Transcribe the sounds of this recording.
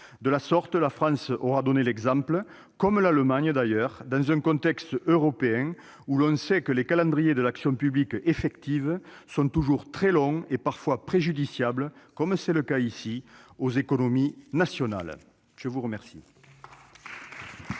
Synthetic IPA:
d̪əlasɔʁt̪əlafχɑ̃sɔʁad̪ɔnelɛɡzɑ̃mplə | kɔmlaləmaɲəd̪ajœʁd̪ɑ̃zɛ̃ŋkɔ̃nt̪ɛkst̪øʁɔpeɛ̃ | ulɔ̃sɛkəlekalɑ̃d̪ʁijed̪əlaksjɔ̃pyblikefɛkt̪ivəsɔ̃t̪uʒuʁt̪χɛlɔ̃ŋepaʁfwapχeʒyd̪isjabləkɔmsɛləkaisiozekonominasjɔna̰l | ʒ̥əvuʁəmɛʁsḭ

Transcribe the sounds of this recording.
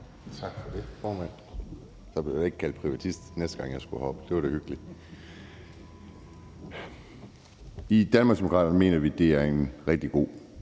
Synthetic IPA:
t͡sʰɑ̈ɡ̥fɒd̥e̝fɒːmæn̰ | sɒ̽b̥le̝je̝ɡ̥kʰæld̥pʰʁiʋæt͡sʰisd̥nesd̥əɡ̥ɑ̈ŋjɑ̈ɪsɡ̥uhɒ̽b̥əd̥e̝ʋɑɾ̥e̝hyɡ̥əli | id̥ænmɑ̈ɡ̥sd̥emo̝kʰʁɑ̰ːd̥ɐnəme̝̰ːnɐʋid̥e̝æɐe̝nʁɛɡ̥̚d̥iɡ̥o̝̰ː

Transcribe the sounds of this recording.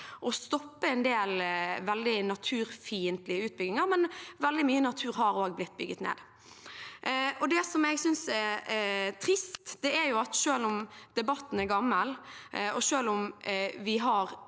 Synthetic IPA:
ʔɔst̪ɔpːəɛnd̪eːlʋɛld̪ɪnɑt̪ʰʉːɾfiːənt̪lɪəʉːt̪̚bʏɡɪŋəɾmɛnʋɛld̪ɪmyːənɑt̪ʰʉːɾɦɑɾoːɡblɪt̪̚ːbʏɡət̪nḛːd̪ | ɔd̪ɛsɔmɛɡsʏnsɛɾt̪ʰɾɪst̪d̪̥ɛæɾjʊɑt̪ʃøːlʊmd̪̥ɛbɑt̪ːn̩ɛɾɡɑmːəlɔʃøːlʊmʋɪɦɑɾ

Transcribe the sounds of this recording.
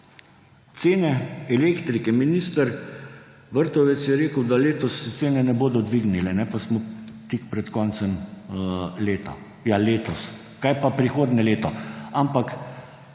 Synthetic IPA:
t̪seːnɛɛleːkt̪ɾikɛminiːst̪əɾ | ʋəɾt̪ɔʋɛt̪sjɛɾeːkəwd̪aleːt̪ɔst̪seːnɛnɛboːd̪ɔd̪ʋiɡnilɛnɛpasmɔt̪ikpɾɛt̪kɔːnt̪sɛm | leːt̪ɔ̰ | jaleːt̪ɔs | kajpapɾixoːd̪nɛleːt̪ɔampak

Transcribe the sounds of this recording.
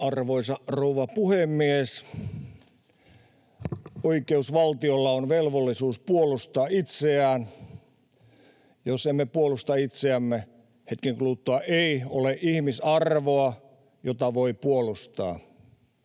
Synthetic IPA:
ɑrʋoisɑrouʋɑpuhemːies | oikeusʋɑlt̪iolːɑonʋelʋolːisuːspuolust̪ɑːit̪seæːn | josemːepuolust̪ɑit̪seæmːe | het̪̚kiŋkluːt̪ːoɑʔeioleʔʔihmisɑrʋoɑ | jot̪ɑʋoipuolust̪ɑ̰ː

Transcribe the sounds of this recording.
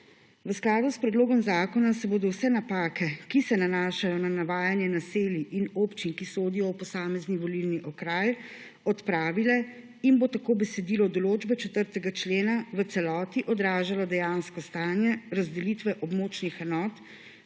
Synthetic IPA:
ʋəsklaːd̪uspɾɛd̪loːɡɔmzaːkɔnasɛboːd̪ɔwsɛnapaːkɛkisɛnanaːʃajɔnanaʋaːjanjɛnaseːliʔinoːpt͡ʃinkisoːd̪ijɔwpɔsaːmɛzniʋɔlilniʔɔkɾaːj | ɔt̪pɾaːʋilɛ | inbot̪akoːbɛsɛd̪iːlɔd̪ɔloːd͡ʒbɛt͡ʃɛt̪əɾt̪ɛɡat͡ʃleːnaʋət̪sɛlɔːt̪iʔɔd̪ɾaːʒalɔd̪ɛjanskɔst̪aːnjɛɾazd̪ɛlit̪ʋɛʔɔbmoːt͡ʃnixɛnɔːt̪

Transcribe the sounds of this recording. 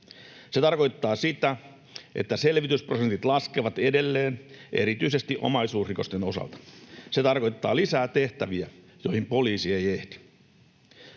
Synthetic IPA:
se̞t̪ɑrko̞jt̪ːɑːsit̪æ | ʔe̞̰t̪ːæse̞lʋit̪ysprosent̪it̪lɑskeʋɑt̪ede̞lːeːnʔeɾit̪yse̞st̪iʔo̞̰mɑjsuːsriko̞st̪eno̞sɑ̰lt̪ɑ̥se̞t̪ɑrko̞jt̪ːɑ̰ːlisæːt̪e̞ht̪æʋiæ | jo̞jhimpo̞liːsiejeht̪i̥

